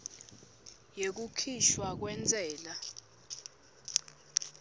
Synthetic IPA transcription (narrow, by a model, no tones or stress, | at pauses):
jek̬ukʰiʃwak̬wɛnt͡sʼɛːla